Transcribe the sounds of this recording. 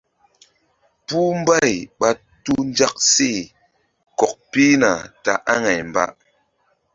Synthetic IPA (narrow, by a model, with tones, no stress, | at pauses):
pu˦m˦ba˦˨jɓa˦ | tu˦n˦d͡ʒa˦k̚se˦˨ | kɔ˨k̚pi˦na˨ta̰˨ʔa˦ŋa˨jm̩˨ba̰˦ʔ